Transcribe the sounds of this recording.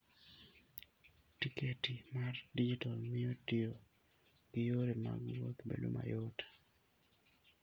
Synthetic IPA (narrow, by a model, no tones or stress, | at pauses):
tikʰetimardid͡ʒitalmɪjotɪo | ɡ̥ɪjoɾema̰ɡwokbḛdṵma̰jɔtḁ